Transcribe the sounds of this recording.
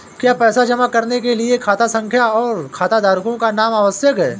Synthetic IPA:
kjaːpɛːsad͡ʒɐmakɐɾnekeliekʰaːt̪asɐ̃ŋkʰjaɔːɾkʰaːt̪ad̪aːɾkõkanaːmaʋəsjəkɦɛ̰ː

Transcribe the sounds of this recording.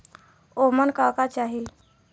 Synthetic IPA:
omənkakat͡ɕaɦil

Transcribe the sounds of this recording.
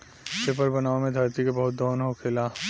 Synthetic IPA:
sepəɾbɐnaːomẽd̪ʱɐɾt̪ikebɐɦʊt̪̚d̪ɔːnɦokʰɪla

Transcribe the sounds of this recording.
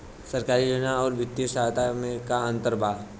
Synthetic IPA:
səɾkaːɾid͡ʒʊnaɔːɾʋɪt̪ːisaːt̪amẽkaə̃nt̪əɾbʱaː

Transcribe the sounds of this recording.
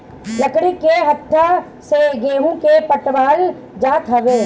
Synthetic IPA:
lɐkɽikeɦɐt̪ʰːa | seɡeːɦũkepəʈʋaːl | d͡ʒaːt̪ɦɐʋeː

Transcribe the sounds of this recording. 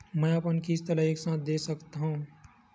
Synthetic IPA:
mɛ̃əpənkist̪ələeksãːt̪̚ʰd̪esəkt̪aɦũ

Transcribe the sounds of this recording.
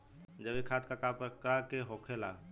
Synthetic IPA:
d͡ʒəbekʰaːt̪ʰkakapkakeɦoːkʰelaː

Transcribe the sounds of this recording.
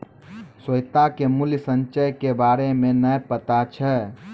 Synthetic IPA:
səjt̪akemuljsənt͡ʃəjkebaɾemenəjpət̪at͡ʃʰɛ

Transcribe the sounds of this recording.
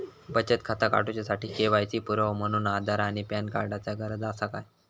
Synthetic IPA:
bət͡ɕət̪̚kʰat̪aka̰ʈut͡ɕjasaʈiːkeʋajt͡siːpuɾəɦm̤əɽ̃uːnad̪ʱaɾaɽ̃ipjankaɾɖat͡sjaɡʱəɾəd͡zasaka̰j

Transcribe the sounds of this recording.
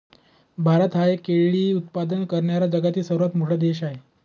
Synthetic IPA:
bʱaɾət̪ɦaekeɭɭiːut̪̚pad̪ənkəɾɳjaɾad͡ʑəɡat̪iːsəɾuʋat̪m̤oɽad̪eɕaɦe

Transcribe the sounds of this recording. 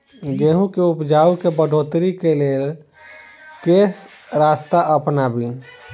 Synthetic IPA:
ɡeːɦũkeupd͡ʒaːukebəɖʱoːt̪ɾikeleːl | keːs | ɾaːst̪aʔəpnabʱi

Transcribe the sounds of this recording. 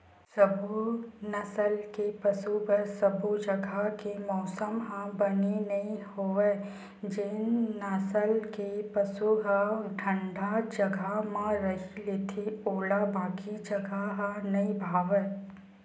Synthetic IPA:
sɐbʱunɐsəlkepɐsupɐɾsɐbʱud͡ʒɐɡʱakemɔːsəmɦãbɐnenɐĩhoʋeː | d͡ʒenːəsəlkepəsuɦaʈʰə̃ɳɖad͡ʒɐɡʱamãɾɐɦileːt̪ʰeoːlabaːkid͡ʒɐɡʱaɦãnɐibʱaːʋɛ

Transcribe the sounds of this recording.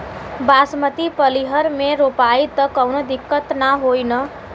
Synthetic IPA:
basmət̪ipəliɦəɾmeɾopait̪əkəwnod̪ikːət̪naɦojnə

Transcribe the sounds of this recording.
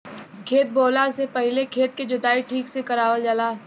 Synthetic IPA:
kʰeːt̪̚boːlasepɐɦɪlekʰeːt̪̚ked͡ʒʊd̪aːiʈʰiːksekɐɾaːʋəld͡ʒəlaː

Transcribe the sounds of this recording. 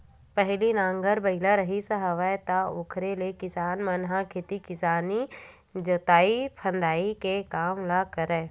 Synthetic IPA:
pɛɦlinãːŋɡəɾbɐɪlaɾəɦisəɦəʋɛt̪aʊkʰɾelekɪsaːnmənɦãkʰet̪ikɪsaːni | d͡ʒət̪aːipʰə̃nd̪aːikekaːmlakəɾɛː

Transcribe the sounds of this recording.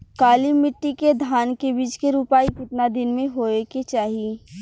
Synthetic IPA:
kaːlimɪʈːiked̪ʱaːnkebiːt͡ʃkeɾuːpaːikɪʈnad̪ɪnmẽɦoːeket͡ʃaːɦieː

